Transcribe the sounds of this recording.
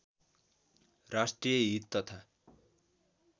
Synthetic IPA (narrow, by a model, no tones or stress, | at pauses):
rasʈrijʌɦit̪ːʌt̪ʰa